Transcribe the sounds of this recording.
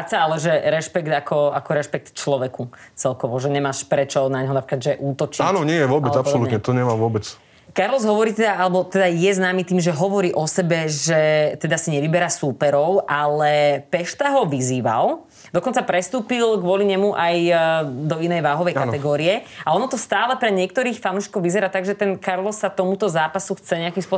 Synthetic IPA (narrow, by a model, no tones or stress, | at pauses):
at͡saalɛʒɛɾɛʃpɛkt̪akɔakɔɾɛʃpɛk̚t̪t͡ʃlɔʋɛkut͡sɛlkɔʋɔʒɛɲɛmaːʃpɾɛt͡ʃɔnaɲɦɔnapɾikad̪ʒɛʔuːt̪ɔt͡ʃiaːnɔɲɪɛjɛʋʊɔbɛapɔsɔlutːɛɲɛt̪ɔɲɛmaːʋʊɔbɛt͡s | kaɾlɔzɦɔʋɔɾiːt̪ɛd̪aalɛbɔt̪ɛd̪ajɛznaːmit̪iːmʒɛɦɔʋɔɾiːʔɔsɛbɛʒɛt̪ɛd̪asiɲɛʋibɛɾaːsuːpɛɾɔʊʔalɛpɛʃt̪aɦɔʋiziːʋa̰l | d̪ɔkɔnt͡sapɾɛst̪uːpilɡʋʊɔliɲɛmuʔajd̪ɔinɛjʋaːɦɔʋɛjkat̪ɛɡɔːɾiɛaɔnɔt̪ɔst̪aːlɛpɾɛɲɪɛk̚t̪ɔɾiːxfanuːʃkɔʋizɛɾaːt̪aɡʒɛt̪ɛnkaɾlɔsːat̪ɔmut̪ɔzaːpasuxt͡sɛɲɛakimspʊɔ